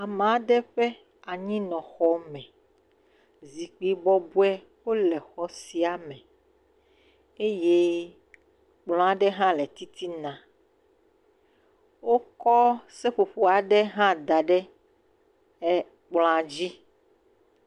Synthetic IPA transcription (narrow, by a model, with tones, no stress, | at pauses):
a˨mã˨˦ɖɛ˦ɸɛ˦ | a˨ɲĩ˦nɔ̃˨xɔ˦mɛ̃˨ | zi˨k͡pi˨bɔ˦bu˦ɛ˦ | wo˦lɛ˨xɔ˦si˨a˨mɛ̃˨ | e˦je˦ | k͡pl̃ɔ̃˦a˨ɖɛ˦ɦã˦lɛ˨t̪i˦t̪i˦nã˨ | wo˦kɔ˦sɛ˦ɸo˨ɸo˨a˨ɖɛ˦ɦã˦d̪a˨ɖɛ˦ | ɛ˦ | k͡plɔ̃˨a˨d͡ʑi˦